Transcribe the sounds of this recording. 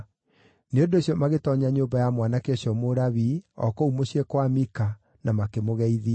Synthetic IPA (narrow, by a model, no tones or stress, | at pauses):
neondoesjɔmaɣetɔɲaɲoːbajamwanakeoɕjɔmoɾaβiɔ̰koumoɕiɛkwamika | namakemoɣɛiðia